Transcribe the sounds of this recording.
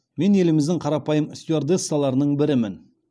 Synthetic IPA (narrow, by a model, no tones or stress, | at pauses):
me̞ne̞lɪmɪzd̪ɪŋqʰɑɾɑpɑjəmɪst̪iard̪esɑlˠɑɾənəɴbɪɾɪmɪn